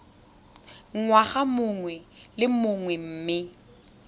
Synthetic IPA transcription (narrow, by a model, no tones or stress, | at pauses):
ŋ̩ŋwaɣamʊŋwɛlɪmʊŋwɛm̩ːmɪ